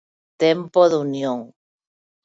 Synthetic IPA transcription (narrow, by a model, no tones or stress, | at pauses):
t̪empoðunjõŋ